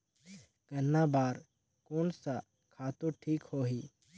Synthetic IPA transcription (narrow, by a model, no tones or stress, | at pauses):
ɡ̥ɐnːaːbaːɾ | koːnsa | kʰaːt̪oʈʰiːkhoːɦiː